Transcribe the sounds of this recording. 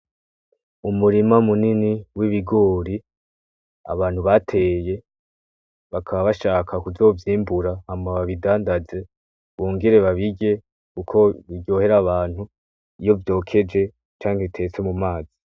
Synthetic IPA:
umuɾimaumuniniwiβiɡo̞ːɾi | a̰βaːn̥huβatʰe̞je̞ | βakʰaβaβaʃaːkʰakuzo̞ːvjiːmbuɾahamaβaβidaːndaze̞ | βo̞ːŋɡe̞ɾe̞βaβiɡe̞ | kukʰo̞βijo̞ːhe̞ɾaβaːn̥hu | ijo̞vjo̞ːkʰe̞d͡ʒe̞ | t͡ʃaːŋheβitʰe̞ːt͡se̞mumaːz̥i

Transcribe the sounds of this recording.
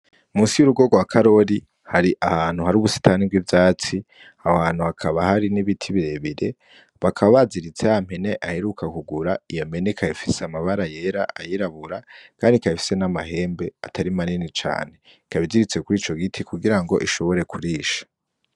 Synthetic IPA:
umuːsijuɾuɡo̞ɡwakʰaɾo̞ɾi | haɾiʔahaːn̥huhaɾuːβusi̥taːnib̚ɡwivjaːt͡si | awaːn̥uakʰaβahaɾiniβitʰiβiɾe̞βiɾe̞ | βakʰaβaβaziɾit͡se̞am̥he̞ne̞ʔahe̞ɾukakuɡuɾaijom̥e̞nekʰajifiseamaβaɾaje̞ɾa̰ʔajiɾaβuɾakaːndikaifi̥se̞namahe̞ːmbe̞a̰tʰaɾimaninit͡ʃa̰ːne̞ | ikaβidiɾit͡se̞kuɾiːt͡ʃo̞ɡitʰikuɡiɾaŋɡo̞ʔiʃo̞βo̞ɾe̞kʰuɾiːʃḁ

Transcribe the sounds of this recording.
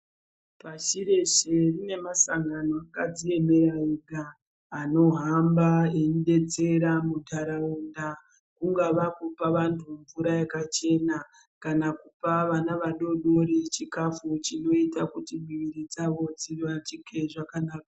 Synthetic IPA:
paʃiɾe̞ʃerine̞masaŋɡano̞akad͡zie̞me̞ɾaiɡʱaː | no̞ɦambaenɗe̞t͡se̞ɾamudʱaɾaunda | kuŋɡaʋakupaʋantʰuɱvuɾajakat͡ʃe̞na | kanakupaʋanaʋaɗo̞ɗo̞ɾit͡ʃikafut͡ʃino̞itakutimiʋiɾid͡zaʋo̞d͡ziʋat͡ʃikʰeʐakanaːkḁ

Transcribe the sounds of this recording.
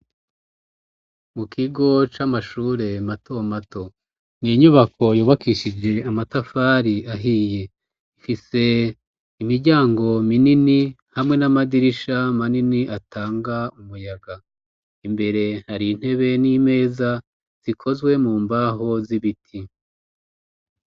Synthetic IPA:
mukʰiɡo̞t͡ʃamaʃuːɾe̞matʰomato̞ | niɲuβakʰo̞juːβakiʃid͡ʒe̞amatafaːɾiaɦiːje̞ | ifise̞ | imiɾɟaːŋɡo̞minini | hamŋe̞namadiɾiʃamaniniʔataːŋɡaumujaɡa | imbe̞ɾe̞haɾin̥he̞βe̞nime̞ːza | z̥ikʰo̞zwe̞muːmbaɦo̞ziβitʰi

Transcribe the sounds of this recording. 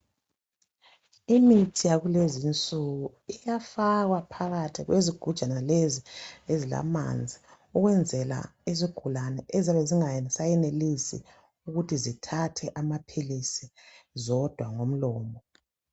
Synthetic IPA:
imitʰijaɣulezint͡sʼuɣu | ijafaɣwapʰaɣatʰiɣweziɡ̥ʱud̥ʒ̥ʱanaleziezila̰ma̰nd͡zʱi | uɣwɛnd͡zʱɛla̰eziɡ̥ʱulanɛʔɛzaβɛziŋajɛsajɛnelisḭ | uɣutizitʰatʰɛʔamapʰilisizɔd̥ʱwaŋom̩lɔːmbɔ

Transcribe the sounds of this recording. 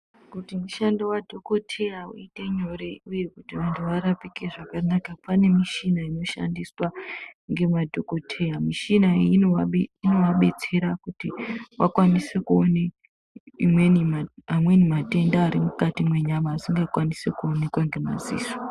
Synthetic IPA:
kutimuʃandowadʱo̞ko̞tʰe̞jaṵite̞ɲo̞ɾe̞uje̞kutiʋantʰuʋaɾapikeʐakanakapane̞miʃinaino̞ʃa̰ndiswaŋɡe̞madʱoko̞tʰe̞jamiʃinainaeino̞ʋaɓe̞t͡se̞ɾakutiwʔakwanisekuone | imwenimamwe̞nimate̞ndaːɾimukatimwe̞ɲamaːsiŋɡakwanise̞kuone̞kwaŋɡe̞ma̰zḭːzo̥

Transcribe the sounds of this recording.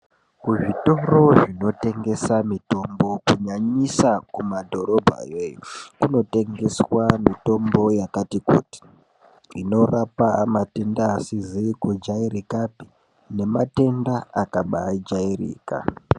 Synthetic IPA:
kuʐito̞ro̞ʐino̞te̞ŋɡe̞samito̞mbo̞kuɲaɲisakumadʱo̞ɾo̞bʱa̰jejokuno̞te̞ŋɡe̞swamito̞mbo̞jakatikṵːti̥ | ino̞rapamate̞ndaːsizikud͡ʒaiɾikapi | ne̞mate̞ndaakaɓad͡ʒairḭːka̰

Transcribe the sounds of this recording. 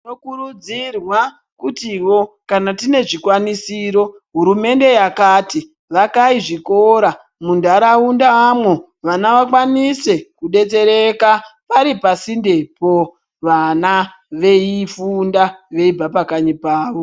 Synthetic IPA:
inokurud͡zirwa | kutiwo̞kanatine̞ʐikwanisiɾo̞ | ɦuɾume̞nde̞jakati | ʋakaiʐikoɾa | mundaɾaundaːmwo̞ | ʋanaʋakwanise̞kuɗe̞t͡se̞ɾe̞kapaɾipasindepo̞ | ʋana | ʋe̞ifundaʋe̞ibapakaɲipaːʋo̞

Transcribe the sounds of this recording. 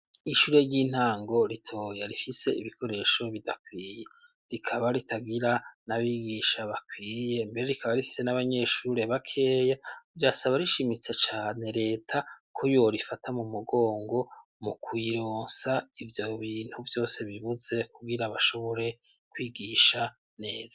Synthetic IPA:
iʃuːɾe̞jiːn̥haːŋɡo̞ɾitʰo̞ːjaɾifise̞iβikʰo̞ɾe̞ʃo̞βidakwiːje | ɾikʰaβaɾitaɡiɾanaβiɡiʃaβakwiːje̞mbe̞ɾe̞ɾikaβaɾifi̥se̞naβaɲe̞ʃuɾe̞βakʰe̞ːjaiɾasaβaɾiʃimit͡sat͡ʃaːne̞ɾe̞ːtʰakʰojoɾifatʰamumuɡo̞ːŋɡo̞ | mukwiɾoːnsaivjo̞βiːn̥huvjo̞ːse̞βiβuze̞kuɡiɾaβaʃoβoɾe̞ | kwiːɡiʃa | ne̞ːz̥ḁ

